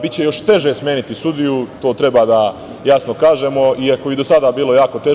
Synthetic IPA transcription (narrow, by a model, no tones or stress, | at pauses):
bit̪t͡ɕejo̞ʃt̪e̞ʒesmjeːnit̪isud̪ijut̪o̞ːt̪ɾe̞baːd̪a | jasnokaːʒe̞ːmo̞iakobid̪osad̪aːbiːlo̞jaːko̞t̪e